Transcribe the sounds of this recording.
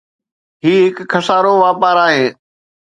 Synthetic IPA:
ɦiːɦɪkkʰːɐsaːɾoʋaːpaːɾaːɦeː

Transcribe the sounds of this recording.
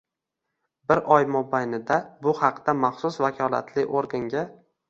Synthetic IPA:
bɪɾʔɒjmobajnɪd̪abʊhɑqd̪amɑχsʊsvakʲʰɒla̰t̪ʰlɪʔoɾɡaŋɡʲa

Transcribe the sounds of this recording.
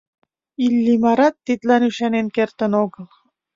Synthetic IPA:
ilːimɑɾɑt̪ːit̪lænyʃɑnenkert̪ə̆noɣə̆lˠ

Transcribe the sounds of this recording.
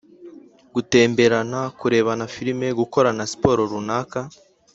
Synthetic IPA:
ɡ̥ute̞ːmbe̞ɾanakuɾe̞ːβanafiɾime̞ɡuko̞ɾanasi̥po̞ːɾoɾunaːka

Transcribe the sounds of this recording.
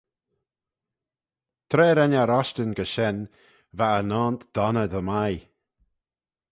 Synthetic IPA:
t̪ʰɾeːɾɛnaɾɔʃtənɡəʃɛn | vaənaːnt̪d̪̥ɔnəðəmaj

